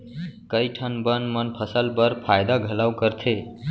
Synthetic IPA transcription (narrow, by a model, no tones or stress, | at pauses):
kəjʈʰənbənmənpʰəsəlbəɾpʰajd̪aɡʱəlawkəɾt̪ʰe